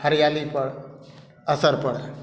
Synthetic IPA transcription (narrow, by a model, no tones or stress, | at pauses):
həɾjalipəɽ | əsəɾpəɽa